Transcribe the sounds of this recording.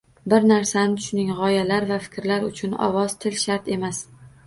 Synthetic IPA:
bɪɾnaɾsanɪʊʃʊnɪŋʁɒjalaɾvafɪ̥kʲɾlaɾʊt͡ʃʰʊnɒ̰vɒz̥t̪ʰɪlʃaɾt̪e̞mas

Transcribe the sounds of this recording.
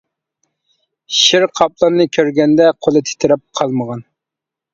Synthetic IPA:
ʃiɾqʰɑplˠɑnːɨkʲʰøɾɡʲɛnd̪ɛqʰolˠɨt̪ʰe̥t̪ʰɪɾɛp̚qʰɑlˠməʁɑn

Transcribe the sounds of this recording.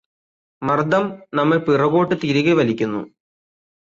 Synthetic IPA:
mɐrd̪ɐmnɐmːɐlpirɐɣo̞ːʈːɨt̪iɾiɣɐʋɐlikʲːunːṵ

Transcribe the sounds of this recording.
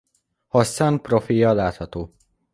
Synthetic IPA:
hɒsanprofijɒlaːt̪hɒt̪oː

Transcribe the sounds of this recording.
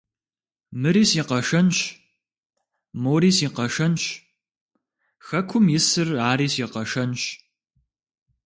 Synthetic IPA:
mɨɾiːsiːqɐʂɐnɕ | moːɾiːsiːqɐʂɐnɕ | xɐkʷʰʊmjɪsɨraːɾiːsiːqɐʂɐnɕ

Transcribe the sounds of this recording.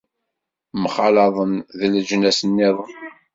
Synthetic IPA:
mχɑlɑðˤənðəld͡ʒnæsənːɪðˤən

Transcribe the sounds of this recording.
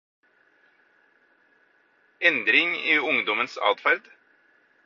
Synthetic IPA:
ɛnd̪ɾɪŋiːʊŋd̪ɔmənsɑ̰ːt̪fæɾd̪̥

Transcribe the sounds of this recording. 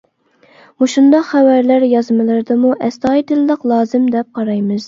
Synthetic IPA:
muʃund̪ɑqχæwæɾlæɾjɑzmɨlˠɨɾd̪ɨmuʔɛst̪ɑːjd̪ɨlɨləqlˠɑːzɨmd̪ɛp̚qʰɑɾɑjmɨz̥

